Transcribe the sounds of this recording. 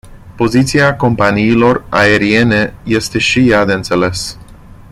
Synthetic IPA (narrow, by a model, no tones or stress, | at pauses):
po̞zit̪siako̞mpaniːlo̞ra̰e̞ɾie̞ne̞je̞st̪e̞ʃijad̪e̞ɨnt̪se̞le̞s